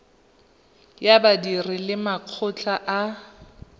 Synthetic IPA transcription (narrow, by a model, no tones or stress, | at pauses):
jabadirɪlɪmaq͡χʰʊt͡ɬʰʼaʔa